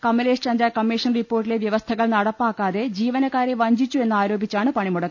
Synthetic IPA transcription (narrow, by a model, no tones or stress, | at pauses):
kɐmːɐleːʂt͡ɕɐnd̪ɾaːkɐmːiːʂɐnripːo̞ːrʈːile̞ʋjɐʋɐst̪ʰɐɣɐɭnɐɽɐpːaːkːaːðe̞d͡ʑiːʋɐnɐkːaːɾeʋɐɲd͡ʑit͡ɕːue̞nːɨaːɾo̞ːbit͡ɕːaːɳɨpɐɳimuɽɐkː